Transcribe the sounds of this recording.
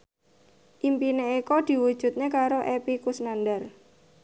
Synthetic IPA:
ʔimpineikod̪̥i̤wud̥ʒ̥ṳt̪̚ɲekaɾoʔepikusnandar

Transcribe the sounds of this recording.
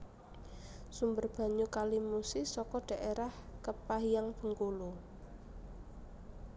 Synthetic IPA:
sumbərb̥a̤ɲukalimusɪsɔkɔɖ̥a̤ʔeɾahkəpahjaŋb̥əŋkulu

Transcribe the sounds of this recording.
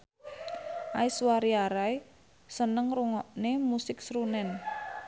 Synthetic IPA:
ʔaiswaɾiaɾaj | sənəŋruŋɔʔnemusɪksɾunɛn

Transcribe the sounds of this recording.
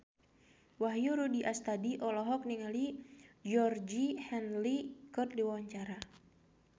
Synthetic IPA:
waɦjuɾudiʔast̪adiʔɔlɔɦɔk̚niŋalid͡ʒɔrd͡ʒihɛnlikɔt̪̚diwawaɲt͡ʃaɾa

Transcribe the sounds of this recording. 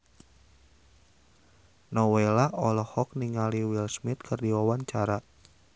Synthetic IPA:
nɔwelaʔɔlɔhɔk̚niŋaliwilsmit̪̚kʰɨrdiwawaɲt͡ʃaɾa

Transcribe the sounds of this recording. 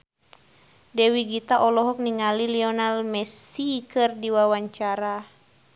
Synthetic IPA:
dɛwiɡit̪aʔɔlɔɦɔk̚niŋaliliɔnalmɛsikɨrdiwawaɲt͡ʃaɾa

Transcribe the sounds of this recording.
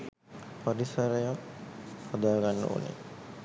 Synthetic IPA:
paɾisɐɾəjakhad̪aːɡanːə̰ṵnḛ

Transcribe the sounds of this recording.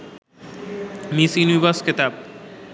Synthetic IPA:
misinibasket̪ab̚

